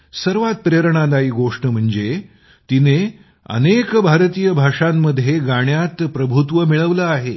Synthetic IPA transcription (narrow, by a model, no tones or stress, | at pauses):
səɾʋat̪̚pɾeɾɳ̃ad̪aiːɡoʂʈəm̤əɳd͡ze | t̪ine | ə̰nekbʱaɾt̪ijəbʱaʂamːəd̪ʱːjeɡaɽjat̪pɾəbʱut̪ʋəmiɭəʋləaɦe